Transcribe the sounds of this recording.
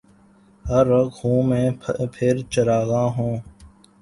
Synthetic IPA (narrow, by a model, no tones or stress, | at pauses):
həɾəkhũːmẽːpʰɪɾt͡ʃəɾaːɣãːɦũː